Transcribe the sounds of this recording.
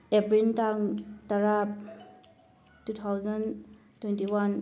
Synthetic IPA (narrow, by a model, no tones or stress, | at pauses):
epɾintaŋtaɾa | tut̪ʰawzan | twɛntiwan